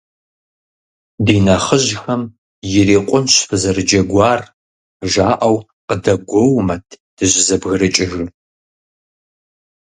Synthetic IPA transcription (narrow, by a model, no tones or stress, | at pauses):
diːnɐχəʒxɐm | jɪɾeːqʷʼʊnɕfɨzɐrɨd͡ʒɐɡʷɑːr | ʒaːʔɐw | qədɐɡʷɔwmɐtʰ | d̥ɨʑɪzɐbɣɨrɨt͡ʃʼɪʒɨ